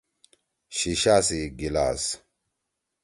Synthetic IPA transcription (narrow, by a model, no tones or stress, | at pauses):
ɕiɕaːsiɡila̰ːs